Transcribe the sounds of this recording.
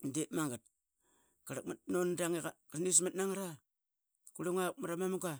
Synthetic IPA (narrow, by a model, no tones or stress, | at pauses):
ndemaŋɡat̚ | kaɾak̚mat̚nondaŋikaɾnis̬matnaŋaɾa | kuɾeŋak̚maɾamamaŋɡa